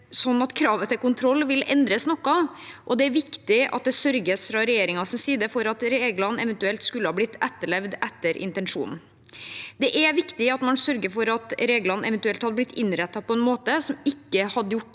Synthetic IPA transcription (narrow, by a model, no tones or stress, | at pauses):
sɔnːɑt̪kʰɾɑːʋət̪ʰɪlkʊnt̪ʰɾɔlːʋɪlɛnd̪ɾəsnɔkːɑʔɔd̪ɛæɾʋɪkt̪ɪɑ̰t̪̚d̪ɛsœɾɡəsfɾɑɾɛjeːɾɪŋɑsɪnsiːd̪əfɔɾɑt̪ɾeːɡlɑn̩ɛʋɛnt̪ʉɛlt̪skʉlːəhɑːb̪ɪt̪ːɛt̪ːəɭɛʋd̪ɛt̪ːəɾʔɪ̰nt̪ɛnʂṵːnn̩ | d̪ɛʔæʋɪkt̪ɪɑt̪mɑnsœɾɡəfɔɾɑt̪ɾeːɡlɑnɛʋɛnt̪ʉɛlt̪hɑd̪ːəblɪt̪ʰːɪnːɾɛt̪ːɑpʰɔɛnmoːt̪əsɔmɪkːəhɑd̪əjʊʈː